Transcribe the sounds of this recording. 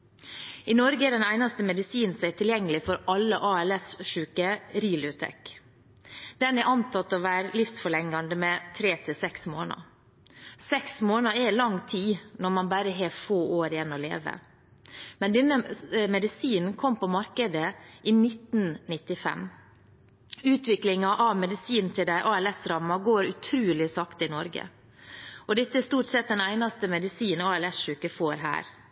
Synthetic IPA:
ɪnɔɾɡəɛːd̪ɛnæɪnɑst̪əmɛd̪ɪsiːn̩sæt̪ʰɪljɛŋːəlɪfɔɾʔɑlːəʔɑːɛlɛsʂʉːkəɾiːlʊt̪ʰɛ̰k | d̪̥ɛnɛʔɑnt̪ʰɑt̪ːɔʋæːɾlɪfsfɔɭɛŋːɑnd̪əmɛt̪ʰɾeːt̪ʰɪlsɛksmo̰ːnə̰ | sɛksmoːnəɾɛlɑŋːt̪ʰiːnɔɾmɑnbæɾəɦeːfoːʔoːɾɪjɛnːɔlḛːʋə̰ | mɛnd̪ɛnːəmɛd̪ɪsiːnnkʰɔmpʰɔmɑɾkəd̪əʔiːnɪt̪n̩nɪt̪ːɪfɛ̰m | ʉːt̪ʋɪklɪŋɑʔɑʋmɛd̪ɪsiːnnt̪ʰɪld̪æɪʔɑːɛlɛsɾɑmːɑɡoːɾʉt̪ʰɾʉːlɪsɑkt̪ɪnɔɾɡə̰ | ɔd̪ɛt̪ːəɛst̪uːʈsɛt̪̚d̪ɛnæɪnɑst̪əmɛd̪ɪsiːnɔɑɛlɛsʃʉːkəfoːɾɦæ̰ːɾ

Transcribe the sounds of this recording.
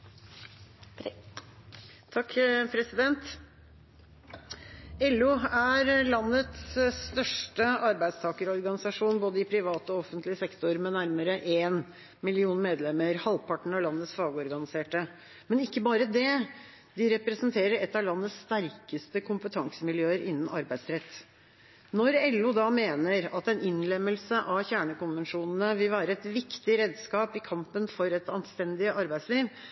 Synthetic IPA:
t̪ʰɑkːpʰɾɛsɪd̪ɛnt̪ | ɛlːʉːæɾlɑnːət̪sːt̪œʂʈəɑɾbæɪd̪st̪ʰɑːkəɾɔɾɡɑnɪsɑʂuːnboːd̪əɪpʰɾɪʋɑːt̪ɔɔfənt̪lɪəsɛkt̪ɔɾmɛnæɾməɾəʔeːn | mɪlɪuːnmeːd̪lɛmːəɾhɑlpʰɑʈɳ̩ɑʋlɑnːət̪sfɑːɡəɔɾɡɑnɪseːʈə | mɛnɪkːəbɑːɾəd̪ɛ | d̪ɪɾɛpɾɛsənt̪ʰeːɾəɾɛt̪ːɑʋlɑnːəsst̪æɾkəst̪əkʰʊmpət̪ʰɑŋsəmɪljøːəɾʔɪnːən̩ʔɑɾbæɪsɾɛt̪ː | nɔɾɛlːʊd̪ɑːmeːnəɾɑt̪ɛnʔɪnlɛmːəlsəʔɑʋçæːɳəkʊnʋənʂuːnn̩əʋɪlʋæːɾəɛt̪ʋɪkt̪ɪɾeːd̪skɑːpɪkʰɑmpənfɔɾɛt̪ɑnst̪ɛnd̪ɪəʔɑɾbæɪsliːʋ

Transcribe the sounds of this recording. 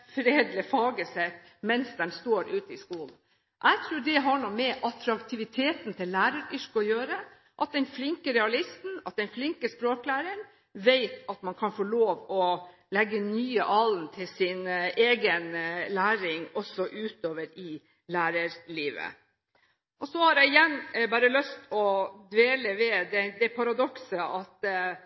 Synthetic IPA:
fɾeːd̪lɪfɑːɡəsɛt̪ː | mɛnsd̪ɛnst̪oːɾʉːt̪əɪskuːln̩ | ʔæɪt̪ʰɾuːɖɛɦɑɳumɛʔɑt̪ɾɑkt̪ʰɪʋɪt̪ʰeːt̪nt̪ʰɪllːæːɾəɾʏʂkəɔjøːɾə | ʔɑt̪̚d̪ɛnflɪŋkəɾɛɑlɪst̪n̩ɑt̪̚d̪ɛnflɪŋkəspɾoːklæːɾən | ʋeɪt̪ɑt̪mɑnkʰɑnfoːɭoːʋɔlɛɡːənyːəʔɑlnt̪ʰɪlsɪneːɡənlæːɾɪŋɔsɔʔʉːt̪oːʋəɾɪ | læːɾəɾliːʋə̰ | ʔɔsɔhɑɾjæɪɪjɛnːbɑːɾəlœst̪ʰɔd̪ʋeːləʋɛd̪ɛd̪ɛpʰɑɾɑd̪ɔksəʔɑt̪

